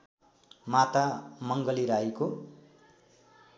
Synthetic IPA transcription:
mat̪amʌŋɡʌliɾajko

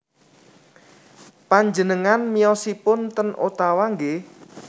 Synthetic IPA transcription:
paɲd͡ʒənəŋanmijɔsipʊnt̪ənʔo̰t̪awaŋɡe

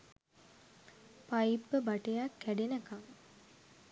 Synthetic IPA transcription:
pajipːəbaʈejakːæɖenəkaŋ

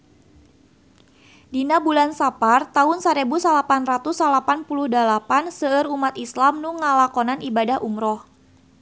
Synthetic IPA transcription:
dinabulansapart̪aʊnsaɾebusalapanrat̪usalapanpuluhdalapansəːɾumat̪islamnuŋalakɔnanʔibadahʔumɾɔh

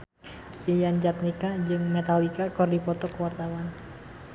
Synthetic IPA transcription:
ijand͡ʒat̪̚nikad͡ʒɨŋmɛt̪alikakɔrdipɔt̪ɔkəwart̪awan

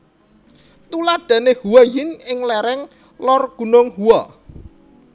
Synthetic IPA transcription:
t̪ulad̪̥ä̤nehuwajɪnɪŋlɛɾɛŋ | lɔrɡ̥ṳnʊŋhuwɔ

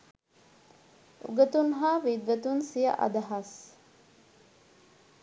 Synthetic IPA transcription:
ṵɡɐt̪unɦaːʋid̪ʋɐt̪unsijɐ̰ʔɐ̰d̪ɐɦɐs

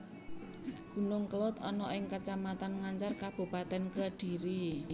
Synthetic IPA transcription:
ɡ̥ṳnʊŋkəlʊt̪ɔnɔʔɪŋkat͡ʃamat̪anŋaɲt͡ʃarkab̥ṳpat̪ɛnkəɖ̥iɾi

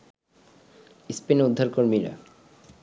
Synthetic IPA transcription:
ispinud̪ʱːaɾkoɾmiɾa̰

